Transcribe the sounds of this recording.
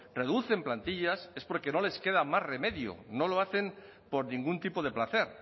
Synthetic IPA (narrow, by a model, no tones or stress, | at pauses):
re̞ð̞uθe̞mplant̪iʎase̞spo̞ɾke̞no̞le̞ske̞ð̞amazre̞me̞ðjo̰no̞lo̞aθe̞m | po̞ɾnĩŋɡunt̪ipo̞ð̞e̞plaθe̞ɾ